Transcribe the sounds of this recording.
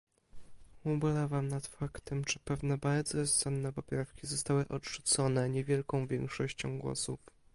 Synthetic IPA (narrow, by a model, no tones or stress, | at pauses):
ubɘlavamnat̪fakt̪ɛmʐɘpɛvnɛbaɾd̪zɔɔssɛnːɛpɔpɾafkʲizɔst̪awɘʔɔtʂut̪sɔnɛɲɛvʲjɛlkɔ̃w̃vʲjɛ̃ŋkʂɔɕt͡ɕɔ̰̃w̃ɡwɔ̰suf